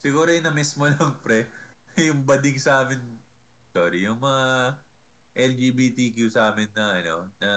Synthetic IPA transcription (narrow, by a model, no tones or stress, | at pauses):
sɪɡuːɾoɛnɐmismo̞nɐŋpɾɛjʊŋbɐd̪ɪŋsaːmɪn | soːɾijʊŋmɐŋa | ʔɛld͡ʒiːbiːt̪ikjusaːmɪnːɐʔɐno̞̰nɐ